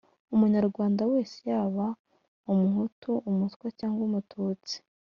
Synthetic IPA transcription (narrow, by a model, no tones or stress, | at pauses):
umuɲaɾɡwaːndawe̞ːse̥jaːβa | umuɦutuʔumuskwacaːŋɡwomutʰuːt͡si̥